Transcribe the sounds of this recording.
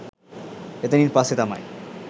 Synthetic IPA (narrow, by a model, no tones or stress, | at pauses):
et̪eniɾpaset̪ama̰j